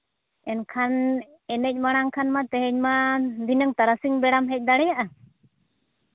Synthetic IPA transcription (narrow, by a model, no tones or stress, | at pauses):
ɛnkʰan | ɛnɛc̚ˀmaɽ̃aŋkʰanmat̪ɛɦɛɲmad̪ʱinəŋt̪aɾasiŋbɛɽamɦɛc̚ˀd̪aɽɛjaʔa